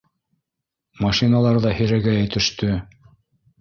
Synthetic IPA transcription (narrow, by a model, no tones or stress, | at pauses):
mɑʃinɑlˠɑɾðɑhɘ̆jɾæɡæjæ̆jt̪ɘ̆ʃt̪ɵ